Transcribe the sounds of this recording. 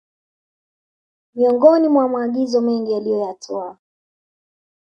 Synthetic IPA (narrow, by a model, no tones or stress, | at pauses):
miɔŋɡɔnimwamaːɠizɔmɛŋɡialijɔjatʰɔa